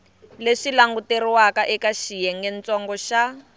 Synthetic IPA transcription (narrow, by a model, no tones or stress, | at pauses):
leʂilaŋɡuteɾiwakaʔɛkaʃijɛŋɡɛnt͡sɔŋɡɔʃa